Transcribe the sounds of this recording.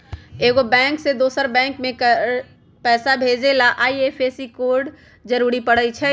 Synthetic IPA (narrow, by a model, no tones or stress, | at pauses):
eːɡobɛ̃ːŋksed̪oːsəɾbɛ̃ːŋkmẽk | pɛːsabʱed͡ʒelaʔaːiepʰesikoːɾɖ | d͡ʒəɾuɾipəɽət͡ʃʰɛ